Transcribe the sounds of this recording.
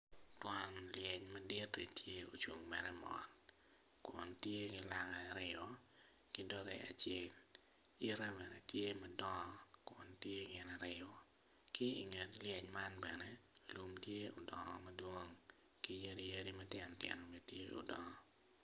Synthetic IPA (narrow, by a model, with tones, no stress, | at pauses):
twa˨nljɛ˨ɲmɐ˦dɪ˦ti˨tʰje˦o˨t͡ʃu˨ŋmɛ˨ɾɛ˦mɔ̰˨n | kɔ̰˨ntje˦ɡɪla˨ɡa˨ɾɪ˦ɔ˦ | kɪ˦dɔ˦ɡɛ̰˨a̰˨t͡ʃɪ˦l | i˦ɾɛ˦mɛ˨ɾɛ˨tje˦mɛ˦dɔ˦ŋɔ˦kʊ˨ntje˦ɡɪ˨na˨ɾɪ˦ɔ˨ | kɪ˦i˨ŋe˨tljɛ˨ɲma˦nbɛ˨nɛ | lu˨mtje˦o˨dɔ̰˨ŋɔ̰˨madwo˦ŋ | ki˦ja˦ɾi˦ja˦ɾi˦mɛ˦tjɛ˨ntjɛ̰˨nɔ˨ɡe˨tje˦ʔo̰˨dɔ˨ŋɔ˨